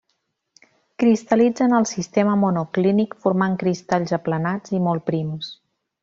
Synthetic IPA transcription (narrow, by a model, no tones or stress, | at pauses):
kɾist̪əlid͡zənəlˠsist̪eməmunuklinikfuɾmaŋkɾist̪aʎzəplənad͡zimɔlˠpɾims